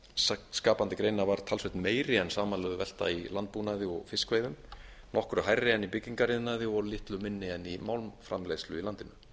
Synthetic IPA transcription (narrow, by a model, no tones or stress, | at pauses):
sat̪skaːpant̪ɪkɾeːjnavaɾ̥t̪ʰalsvɛht̪nmeːjɾɪɛnsaːmanlœðʏvɛl̥t̪a̰ilant̪̚punaðɪɔɣfɪskvejðʏm | nɔhkʏɾʏɦajrːɪɛnːipɪcːiŋkaɾiðnaðɪɔlɪht̪lʏmɪnːɪɛnːimawlmfɾamlejslʏilant̪ɪnʏ